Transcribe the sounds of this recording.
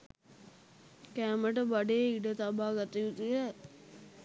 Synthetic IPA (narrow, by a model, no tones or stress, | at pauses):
kæːməʈəbaɖeːiɖət̪abaːɡat̪ijut̪iə